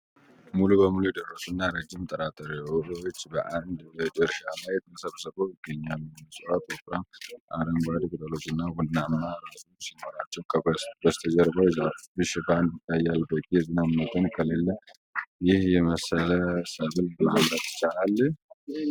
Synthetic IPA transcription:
mulubəmulujɛd̪ərːəsunːaɾəd͡ʒːɪmt̪ʼəɾat̪ʼəɾewot͡ʃːbəʔand̪bəd̪ɨɾʃamajɛt̪̚nəsəβsəβomɪɡːəɲːamiməsʼɨwat̪ʼokɾamʔaɾəmɡad̪kʼɨt̪ʼəlo̞t͡ʃːɨnːawud̪ɨnamnaɾazusimoɾat͡ʃːɛwkʰəbəst̪ʰəd͡ʒəɾbəwzabɨʃɪfand̪jɪt̪ʰːajːalb̪ək̪ʼːjɛzinamnət̪ʰənkʼʰəlelːə | jɪhjɛməsələsəɡɨlmamɾət̪ɪ̥t͡ʃːalalː

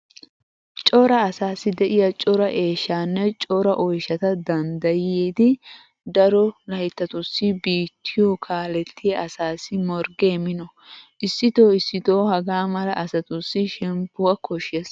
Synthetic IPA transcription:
t͡ʃʼɔɾɐːsaːsːɪd̪ɛʔɪjɐt͡ʃʼɔɾɐʔe̞ːʃːaːnːɛt͡ʃʼɔɾɐʔɔjʃɐt̪ɐd̪ɐnd̪ɐjeːd̪ɪ | d̪ɐɾɔlɐjɪt̪ːɐt̪ʊsːɪbiːt̪ʰːɪjɔkʰaːlɛt̪ːɪjɐʔɐsaːsɪmɔɾɡeːmɪnɔ | ʔɪsːɪt̪o̞ːɪsːɪt̪o̞ːhɐɡaːmɐlɐʔɐsɐt̪ʊsːɪʃɛmpːʊwɐkʰɔʃɛs

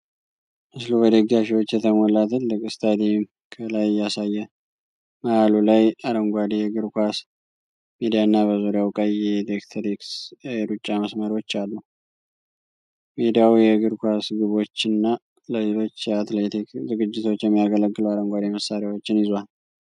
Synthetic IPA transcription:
ʔɨslubəd̪əɡaʃiwo̞t͡ʃːjɛt̪ʰəmolːat̪ʰɨlːɨkʼɨst̪ʰad̪im | kʰəlajɪjasajːɛ | maʔalulajaɾəŋɡʷad̪ejɛɡɨɾkʰʷas | med̪ijanːaβəzuɾjawkʼəjɛd̪ekt̪ʰəɾiksjɛɾut͡ʃʼːaməsməɾo̞t͡ʃːalːu | med̪ijawjɛɡɨɾkʷasɡɨβo̞t͡ʃːɨnːa | ləlelo̞t͡ʃːjɛat̪let̪ikzɨɡɨd͡ʒːɪt̪ʰo̞t͡ʃːjɛmːijaɡələɡːɨləwaɾəŋɡʷad̪eməsaɾewo̞t͡ʃːɪnɪzwal

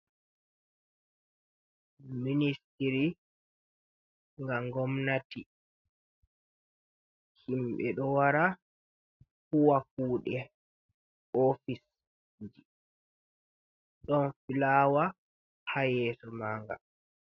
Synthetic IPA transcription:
ministiɾi | ŋɡaŋɡɔmnati | himɓɛ̰ɗɔwaɾa | huwakuːɗɛ | ofis | ɲd͡ʒi | ɗɔnfilaːwa | hajɛːsɔmaːŋɡa̰

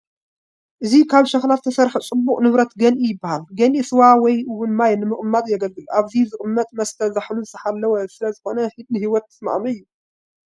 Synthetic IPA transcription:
ʔɨzikʰaβʃɐxlat̪t̪ʰːɐsɐɾħɨt͡sʼɨbːuχʼnɨβɾɐt̪ɡɐnʔijɪbːahalɡɐnʔisɨwawɔjɨwʊnmajnɨmɨχʼɨmːat̪ʼjɛɡɐlɡɨlʔaβzizɨχʼɨmːɐt̪ʼmɐst̪ʰɐzaħluzɨst̪ʰɐħalːɐwɐsɨlɐzɨxo̞nɐhɨd̪ɨhiwɔt̪ːɨ̥sma̰ʔmɐɨjːu

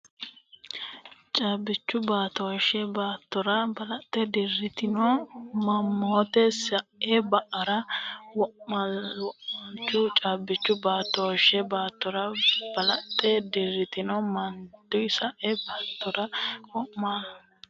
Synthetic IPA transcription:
t͡ʃʼaːbɪt͡ʃːʊbaːt̪oʃɛbaːt̪ːɔɾɐbɐlɐt̪ʼːɛd̪ɪrːɪt̪ɪnɔmɐmːoːt̪ɛsɐʔɛbɐʔɐɾɐwɔʔmɐwɔʔɐnt͡ʃːʊt͡ʃʼaːbːɪt͡ʃːʊbaːt̪ːoːʃɛbaːt̪ːɔɾɐb̥ɐlɐt̪ʼːɛd̪ɪrːɪt̪ɪnɔmɐnd̪̥ʊjsɐʔɛbaːt̪ʰːɔɾɐkɔʔmaː

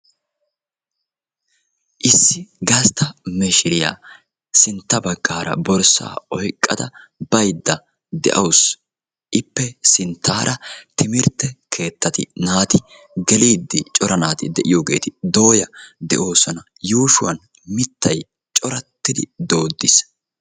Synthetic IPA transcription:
ʔɪsːɪɡɐst̪ʰɐmɛʃɪɾɪja̰ː | sɪnt̪ːɐbɐɡːaːɾɐ̰bɔɾsa̰ːɔjkʼːɐd̪ɐb̥ɐjd̪ːɐ | d̪ɛ̰ʔɐws | ʔɪpːɛsɪnt̪ʰːaːɾʔɐt̪ɪmɪɾt̪ːɛkʰe̞ːt̪ːɐt̪ɪ̰naːt̪ɪ | ɡɛliːd̪ːɪt͡ʃʼɔɾɐnaːt̪ɪd̪ɛʔɪjoːɡe̞ːt̪ɪd̪o̞ːjɐd̪ɛ̰ʔo̞ːsɔnɐ | juːʃʊwɐn | mɪt̪ːɐj | t͡ʃʼɔɾɐt̪ːɪd̪ɪd̪o̞ːd̪ːɪs

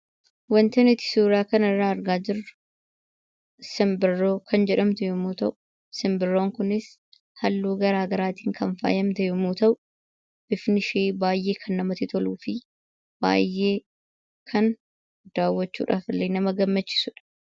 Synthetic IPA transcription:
wɐnt̪ɐnɪt̪ɪ̥suːɾɪaːkɐnɐrːaːɐɾɡaːd͡ʒɪrʊ | sɪmbɪrːoːkʰɐnd͡ʒɛᶑɐmt̪ɛjɔmuːt̪ɐʔʊ | sɪmbɪrːoːŋkʊnɪs | hɐlːuːɡɐɾaːɡɐɾaːt̪iːŋkɐnfa̰ːjɐmt̪ɛjɔmuːt̪ɐʔʊ | b̥ɪfnɪʃeːbaːjʔe̞ːkʰɐnːɐmɐt̪ɪt̪ʰɔluːfɪ | b̥a̰ːjːe̞ː | kʰɐn | d̪̥aːwːɐt͡ʃːṵːᶑa̰ːfɪlːeːnɐmɐɡɐmːɐt͡ʃːɪ̥sʊᶑɐ̥

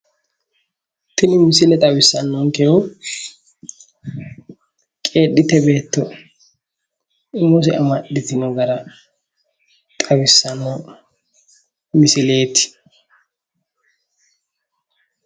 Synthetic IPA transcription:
t̪ɪnɪmɪsɪlɛt̪ʼɐwɪsːɐnːɔŋkɛɔ | kʼe̞ːɗːɪt̪ɛbe̞ːt̪ːɔ | ɪmːɔs̬ɛɐmɐɗɪt̪ɪnɔɡɐɾɐ | t̪ʼɐwɪsːɐnːɔ | mɪsɪle̞ːt̪ɪ̥

